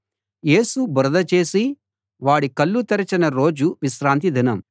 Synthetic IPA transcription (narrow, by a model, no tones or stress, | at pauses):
je̞ːsubɾɐd̪ɐt͡ʃe̞ːsi | ʋaːɽikɐlːut̪ɐɾɐt͡ʃɐnɐɾo̞ːd͡ʒuʋiʃɾaːnt̪̬id̪ʱinɐm